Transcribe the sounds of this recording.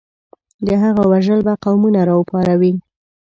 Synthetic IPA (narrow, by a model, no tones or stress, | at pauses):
d̪əɦaɣawaʒəlbaqawmunaɾɑupɑɾawi